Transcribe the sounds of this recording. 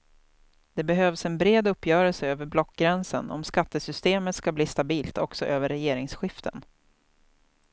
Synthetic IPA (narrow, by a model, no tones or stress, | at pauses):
d̪̥ɛbɛɦøːvsɛnbɾeːd̪ɵpːjœːɾɛlsəøːvəɾblɔkːɡɾɛnsə̰nɔ̰mskat̪ːəsʏst̪eːmət̪skabliːst̪abiːlt̪ɔksɔʔøːvəɾːɛjeːɾɪŋsɧɪft̪ʰə̰n